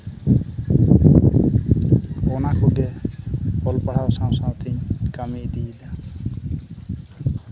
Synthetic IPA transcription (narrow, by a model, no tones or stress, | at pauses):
onakʰoɡe | olpəɽ̤awsãːsãːt̪ʰiɲkəmid̪iːla